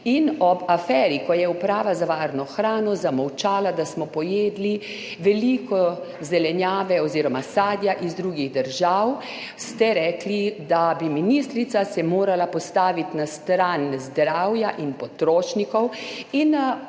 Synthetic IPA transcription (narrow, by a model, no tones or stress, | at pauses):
inɔbafɛːɾikɔjɛupɾaːʋazaʋaːɾnɔxɾaːnɔzamɔwt͡ʃaːlad̪asmɔpɔjeːd̪li | ʋɛlikɔzɛlɛnjaːʋɛɔziːɾɔmasaːd̪jaʔizd̪ɾuːɡiɣd̪əɾʒaw | st̪ɛɾɛːklid̪abiminist̪ɾit̪sasɛmoːɾalapɔst̪aːʋit̪nast̪ɾanzd̪ɾawjaʔinpɔt̪ɾoːʃnikɔwin